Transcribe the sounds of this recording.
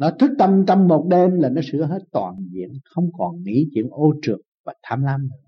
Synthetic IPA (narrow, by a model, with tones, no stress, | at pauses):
nɔ˨˦t̪ʰɨ˦˥k̚t̪ə˧mt͡ɕɔ˧wmːo˨˩t̚ɗe˧mlaː˨˩nɔ˨˦sɨ̰˧˥əɦe˦˥t̚t̪wa̰ː˨˩nzḭ˧˨ənxə˧wŋ͡mkɔ˨˩nŋḭ˧˥t͡ɕwḭ˧˨˥ənʔo˧t͡ɕɨ˨˩əŋ̚vaː˨˩t̪ʰaː˧mlaː˧m˨˩